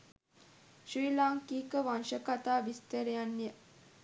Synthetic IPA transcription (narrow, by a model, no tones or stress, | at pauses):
ʃɾiːlaːŋkiːkəʋanʃəkat̪aːʋist̪əɾejanːjə